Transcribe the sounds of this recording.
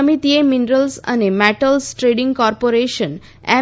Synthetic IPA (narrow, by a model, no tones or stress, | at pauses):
əmit̪ieminɾəlsɐ̰nemɛʈəlsʈɾeɖĩŋɡkɔːɾpoɾeʃə̃n | ɛ̰